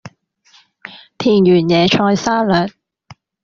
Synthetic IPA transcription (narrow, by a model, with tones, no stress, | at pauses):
t̪ʰiː˨˩njyː˨˩njɛː˨˧t͡ʃʰɔː˧jsaː˥lœː˨˩t̚